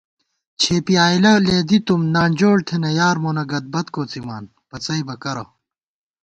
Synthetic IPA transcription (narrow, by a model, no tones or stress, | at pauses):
t͡ɕʰeːpiaːilɐleːd̪it̪umnaːnʲd͡ʑoːɽt̪ʰenɐjaːɾmoːnɐɡɐd̪̚bɐt̪koːt͡sima̰ːn | pɐt͡sɐibɐkɐɾɐ